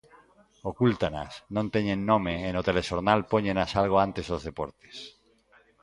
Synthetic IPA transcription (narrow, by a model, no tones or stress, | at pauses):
okult̪ana̰snõnt̪eɲẽnːõmeːnot̪eleʃoɾnalpoɲenasalɣ̞oant̪ezðozðepoɾt̪e̥s